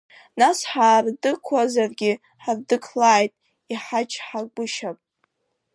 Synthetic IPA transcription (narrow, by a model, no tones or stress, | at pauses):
nasħaːrdɨkʷʰazarɡʲɪ | ħardɨkʰlaːjtʼ | iħat͡ʃʰʼħaɡʷʊʃapʼ